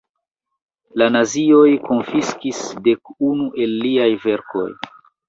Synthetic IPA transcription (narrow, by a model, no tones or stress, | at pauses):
lanazio̞jko̞nfiskisde̞kunuʔe̞lːiajve̞ɾko̞̰j